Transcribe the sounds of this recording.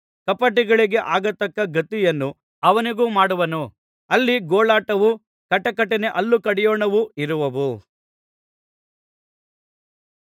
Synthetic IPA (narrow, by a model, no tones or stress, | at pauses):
kɐpɐʈ̬iɡɐɭiɡe̞ʔaːɡɐt̪ːɐkːɐɡɐt̪ijɐnːu | ɐʋɐniɡuːmaːɽuʋɐnu | ɐlːiɡoːɭaːʈɐʋu | kɐʈːɐkɐʈːɛne̞ʔɐlːukɐɽɛjɔːɳɐʋuiɾuʋɐʋu